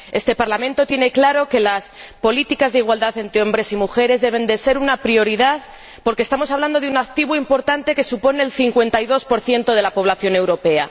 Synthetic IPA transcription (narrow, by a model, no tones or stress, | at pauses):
e̞st̪e̞paɾlamẽnt̪o̞t̪je̞ne̞klaɾo̞ke̞laspo̞lit̪ikazðeiɣwald̪aθe̞nt̪ɾeo̞mbɾe̞simuxe̞ɾe̞zðeβe̞nd̪e̞se̞ɾunapɾio̞ɾiðað | po̞ɾkest̪amo̞saβland̪oðunak̚t̪iβuimpo̞ɾt̪ant̪e̞ke̞supo̞neːlθiŋkwe̞nt̪ajðo̞spo̞ɾθje̞nt̪o̞ð̞e̞lapo̞β̞laθjo̞ne̞wɾo̞pe̞a̰